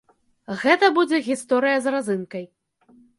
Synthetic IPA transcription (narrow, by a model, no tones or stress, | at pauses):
ɣɛt̪ɐbud͡zʲɛɣʲist̪ɔɾɨjɐzɾazɨnkɐj